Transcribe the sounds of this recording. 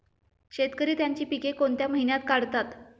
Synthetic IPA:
ɕet̪kəɾiːt̪jaɲt͡ɕiːpikekont̪jaməɦinjat̪kaɽ̤t̪at̪

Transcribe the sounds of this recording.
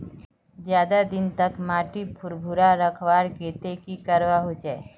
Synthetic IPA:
d͡ʒjaːd̪ad̪ɪnt̪əkmaːʈipʰʊɾbʱuɾaɾəkʰwaːɾkeːt̪ekikəɾwaɦot͡ʃɛː

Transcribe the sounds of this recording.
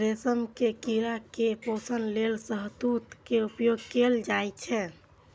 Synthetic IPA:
ɾesəmkekiɾakeposənlelsəɦd̪ut̪keupjoɡkeld͡ʒajt͡ʃʰɛ

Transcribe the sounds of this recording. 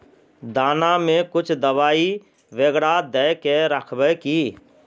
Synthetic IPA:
d̪aːnamẽkʊt͡ʃʰd̪əwaːi | ʋeɡɽad̪ɛjkeɾəkʰbəkiː

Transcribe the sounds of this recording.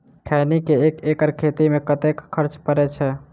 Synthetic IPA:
kʰanikeekekəɾkʰet̪imẽkət̪ekːʰəɾt͡ʃpəɾɛt͡ʃʰɛ

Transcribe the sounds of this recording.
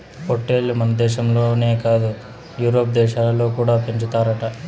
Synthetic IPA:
poʈːeːlmɐnɐd̪ɛːʃɐmloːne̞ːkaːd̪u | juːɾoːp̚d̪ɛːʃaloːkuːɽaːpeɲt͡ʃut̪aːɾaːʈɐ

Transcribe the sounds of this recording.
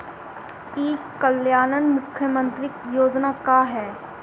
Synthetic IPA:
eːkːəljaːnənmʊkʰjəmə̃nt̪ɾɪkjoːd͡ʒnaːkaːɦɛː

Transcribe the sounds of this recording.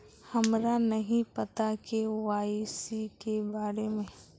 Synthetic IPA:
hɐmɾanɐɦĩpɐt̪akeʋaːisikebaːɾemẽ

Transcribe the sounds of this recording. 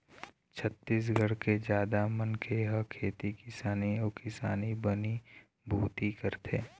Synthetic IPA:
t͡ʃʰɐt̪ːiːs̬ɡʱɐɽked͡ʒjaːd̪amɐnkʰeɦɐkʰeːt̪ikɪsaːniɔːkɪsaːnibɐni | bʱuːt̪ikɐɾt̪ʰḛː

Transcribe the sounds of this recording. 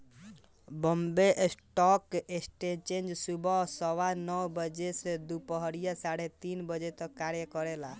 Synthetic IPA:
bɔmbeʔsʈɔkesʈet͡ʃẽnd͡ʒsubɔsɔwanɔwbəd͡ʒesed̪upɔɦɔɾijasaɽet̪inbəd͡ʒet̪ɔkːaɾjəkɔɾela

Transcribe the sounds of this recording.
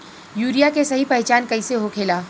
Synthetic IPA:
juːɾijakesɐɦipɛɦɛt͡ʃaːnkɐɪseɦokʰeːlaː

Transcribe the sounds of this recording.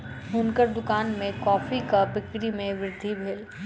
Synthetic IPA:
ɦʊnkəɾd̪ʊkaːnmẽkɔːfikabɪkɾimẽʋɪɾɪd̪ʱːibʱeːl

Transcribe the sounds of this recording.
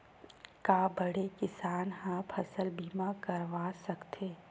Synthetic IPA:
kaːbɐɽekɪsaːnɦãpʰɐsəlbiːmakɐɾʋaːsɐkt̪ʰeː

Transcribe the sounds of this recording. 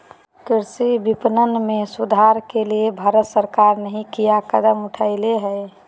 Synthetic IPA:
kɪɾsibipnənmẽsud̪ʱaɾkeliebʱaːɾət̪səɾkaɾnəɦĩkijakəd̪əmʊʈʰaɪleɦɛ

